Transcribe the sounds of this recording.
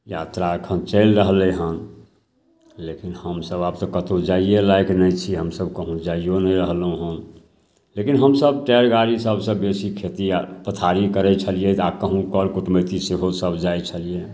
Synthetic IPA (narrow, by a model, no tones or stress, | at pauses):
jat̪ɾakʰənt͡ʃəɪlɾəɦlɛɦən | lekinhəmsəbab̚t̪ɔkət̪od͡ʒaielajknət͡ʃʰiɦəmsəbkəɦũd͡ʒaijonəɾəɦlɦũɦən | lekinɦəmsəb̚ʈɛɾɡaɾisəbʱsə̃bːesikʰet̪ipət̪ʰaɾikəɾɛt͡ʃʰəlijet̪akəɦũkəɽkuʈmət̪iseɦosəbʱd͡ʒajt͡ʃʰəlije